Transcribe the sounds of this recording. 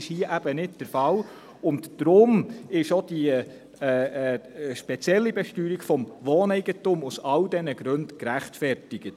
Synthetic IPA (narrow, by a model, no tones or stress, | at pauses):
ɪʃhiəʔæb̥ənɪdd̥əɾfɑl | ʊntd̥ɾʊmɪʃod̥iː | ʃpɛt͡sjɛlːibɛʃtyːɾiɡfɔmʋoːnɛɪɡətʊmusɑldɛnəɡ̥ɾɵndkɾæχtfɛɾtɪɡ̥ət